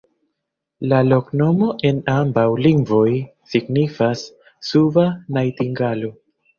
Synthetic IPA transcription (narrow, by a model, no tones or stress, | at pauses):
lalo̞kno̞mo̞ʔe̞nambawliŋɡvo̞jsiɡnifasː | uvanajtiŋɡalo̞